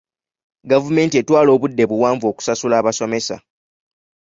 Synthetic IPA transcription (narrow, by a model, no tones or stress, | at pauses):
ɡavume̞ːntietwaːlo̞ːβudːe̞βuwaːɱvo̞ːku̥sasulaːβaso̞me̞sa̰